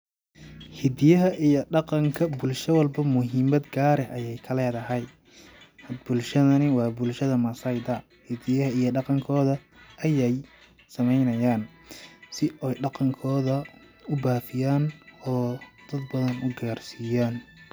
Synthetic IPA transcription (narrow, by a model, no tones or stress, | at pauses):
hɪd̪ɪjɐɦɐʔijɔɖɑqɑŋkʰɐbʊlʃɐwɐlbɐmʊɦiːmɐd̪ɡaːɾɛʔɐjɛjkʰɐlɛːðɐɦɐj | hɐd̪bʊlʃɐðɐnɪwɑːbʊlʃɐðɐmɐsɐjd̪ɐ | hɪd̪ɪjɐɦɐijɞɖɑqɑŋkʰɔːðɐʔɐjɛj | sɐmɛjnɐjaːn | sɪɔjɖɑqɑŋkʰɔːðɐ | ʊbaːfɪjaːnɔːd̪̥ɐd̪bɐðɐnʊɡaːrsijaːn